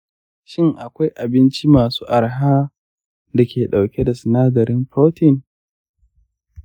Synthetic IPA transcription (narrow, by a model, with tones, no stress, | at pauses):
ʃɪ˦ŋʔa˨kʷa˦jʔa˨bɪ˦nt͡ʃi˦maː˨su̥ː˦ʔa˨ɾɦaː˦ | da˨kʲeː˨ɗa˨wkʲe˦da˨sɪ˨naː˦dɐ˨ɾɪ˦mɸɾoː˦tɪ˨n